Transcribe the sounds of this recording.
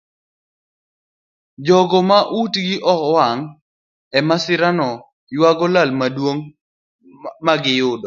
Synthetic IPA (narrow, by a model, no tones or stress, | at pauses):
d͡ʒɔɡɔmaʔutɡɪʔɔkwaŋ | ɛmasɪɾanɔ | jwaɡɔlalmadwoŋ | maɡɪjʊdɔ